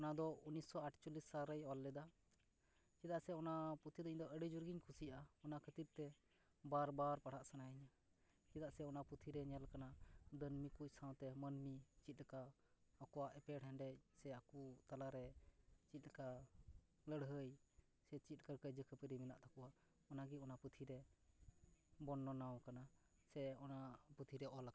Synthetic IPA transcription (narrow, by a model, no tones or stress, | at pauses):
ɔnad̪ɔunisɔaʈʰt͡ʃulisːaɾəjɔlːɛd̪a | t͡ʃid̪aʔsɛɔnaput̪ʰid̪ɔiɲd̪ɔʔəɖid͡ʒuɾɡiɲkʰusijaɔnakʰət̪iɾ̚t̪ɛ | baɾbaɾpaɽ̤ʰaʔsanaiɲa | t͡ʃid̪aʔsɛɔnaput̪ʰiɾɛɲalkanad̪ənmikuc̚sãw̃t̪ɛmənmit͡ʃit̪̚ləkaː | kɔwaʔɛpɛɽɦɛnɖɛsɛakut̪alaɾɛt͡ʃit̪̚ka | ləɽɦəj | sɛt͡ʃit̪̚ˀkəɾkəd͡ʒəkʰəpəɾimina̰ʔt̪ʰakuwa | ɔnaɡiɔnaput̪ʰiɾɛ | bɔnːɔnawkanasɛɔnaput̪ʰiɾɛʔɔlak